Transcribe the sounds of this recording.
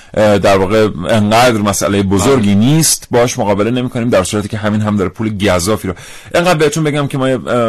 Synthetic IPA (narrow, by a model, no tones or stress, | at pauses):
ʔd̪æɾvɒːɣe̞eŋɢæːd̪ɾmæsæ̰lejebozoɾɟiːniːst̪bɒːɒːʃmoɣɒːbele̞ne̞miːkʰo̞niːmd̪æɾsuːɾæt̪ʰiːcʰeɦæmiːnɦæmd̪ɒːɾepʰuːleɟæzːɒːfiːɾo | ʔe̞ŋɢæːd̪̚behet̪ʰunbe̞ɟæmcʰemɒːje